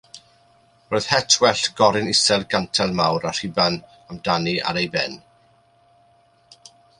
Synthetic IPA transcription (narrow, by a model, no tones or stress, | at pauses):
roːð̥hɛtʰwɛɬɡ̥ɔɾɪnɪsɛlˠɡantʰɛlˠmawɾar̥iban | amdania̰ɾejbɛ̰n